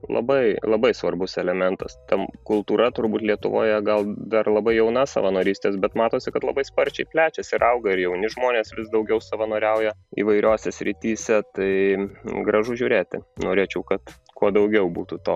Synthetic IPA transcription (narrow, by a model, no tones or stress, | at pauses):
lˠɐ̰bɐɪlˠɐbɐɪsʋɐrbʊsɛlʲɛmʲɛnt̪ɐst̪ɐmkʊlˠt̪uːɾɐt̪ʊrbuːt̪ʲlʲiɛt̪ʊ̰ʋo̰ːjɛɡɐlˠd̪ɐrlˠɐbɐɪjɛʊnɐsɐ̰ʋɐnoːɾʲiːsʲt̪ʲeːs̬bʲɛt̪mɑːt̪oːsʲɪkɐt̪lˠɐbɐɪspɐɾʲt͡ʃʲɛɪpʲlʲæːt͡ʃʲɛsɪɾʔɐʊɡɐɪɾjɛʊnʲɪʒmoːnʲeːsʋʲɪsd̪ɐʊɡʲɛʊsɐʋɐnoːɾʲɛʊjɛḭːʋɐɪɾʲoːsʲɛsʲɾʲɪt̪ʲiːsʲɛt̪ɐɪɡɾɐʒʊʒʲuːɾʲeːt̪ʲɪ̰noːɾʲeːt͡ʃʲɛʊkɐt̪ | kuɔd̪ɐʊɡʲɛʊbuːt̪ut̪oː